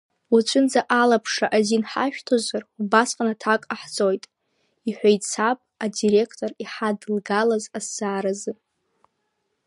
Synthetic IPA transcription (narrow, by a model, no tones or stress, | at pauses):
ut͡ʃʷʰʼʊnd͡zaʔalapʰʂaʔazinħaʃᶣtʰozarubasqʼanatʰakʼaħt͡sʼo̞jtʼ | iħʷᶣajt͡sʰapʼadiɾe̞kʰtʼo̞riħadlɡalazasːaːɾazɨ